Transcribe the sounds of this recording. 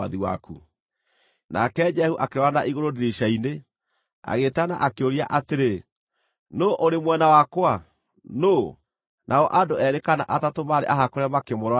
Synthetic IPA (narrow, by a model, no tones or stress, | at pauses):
aðiwa̰ku | na̰kɛd͡ʒɛhuʔakeɾɔanaʔiɣoɾodeɾiʃaine | a̰ɣetana̰ʔakeoɾia̰ʔateɾe | noʔoɾemwɛnawakwa | no | nʔaɔʔandoɛɾekanaʔatatomaɾḛʔaɦakoɾɛmakemoɾa